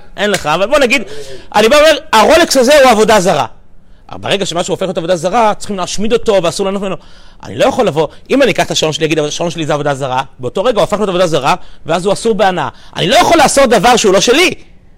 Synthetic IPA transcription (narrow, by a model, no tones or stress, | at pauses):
ʔenleχaːvalbo̞naɡid̪ʔa̰nibaome̞ʁaʁo̞leksazeuavo̞dazaʁa̰ | beʁe̞ɡaʃemaʃeuːfe̞χlotavo̞d̪azaʁat͡sχimleːʃmid̪o̞to̞veasuʁlanotmimeno̞ | ʔa̰nḭlo̞jaχolːavo̞ʔimanikaχt̪aʃao̞nʃeliaɡid̪avʃalo̞nʃelizeavo̞d̪azaʁabeot̪oʁeɡauafaχotavo̞d̪azaʁaveazuasuʁbeanaa̰a̰nilo̞jaχo̞leːso̞td̪avaʁʃeulo̞ʃe̞li